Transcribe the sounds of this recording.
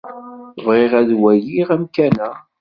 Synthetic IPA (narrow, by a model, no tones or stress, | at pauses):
θəvʁeʁæðwæjiʁæmkænæ